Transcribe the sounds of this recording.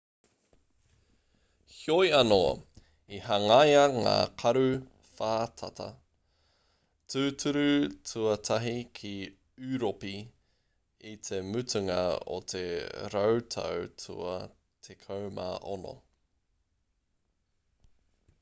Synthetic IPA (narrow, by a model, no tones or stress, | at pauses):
hjojɐno̰ | ihɐŋajɐŋa̰ːqʰɐɾʉ | faːtʰɐt̪ʰɐ̰ | tʉːtʰʉɾʉtʰuɐtʰɐɦikʰi | ʉɾopi | it̪ʰe̞mʉtʉŋɐ̰o̰t̪ʰḛɾɐwtʰɐ̰wtʰṵɐ̰ | t̪ʰekʰɐwma̰ːʔono̰